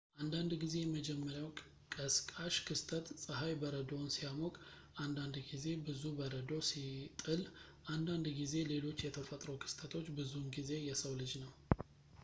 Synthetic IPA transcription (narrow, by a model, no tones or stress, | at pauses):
ʔand̪and̪ɡize̞jɛməd͡ʒɛmːəɾjaw | kʼəskʼaʃkʰɨst̪ʰət̪sʼəɦajbəɾəd̪o̞nsijamokʼ | ʔand̪and̪ɡize̞bɨzubəɾəd̪o̞sit̪ʼɨl | ʔand̪and̪ɡize̞le̞lo̞t͡ʃːjɛt̪ʰəfət̪ʼɾowkʰɨ̥st̪ʰət̪ʰo̞t͡ʃːbɨzunɡize̞jɛsəwlɨd͡ʒnəw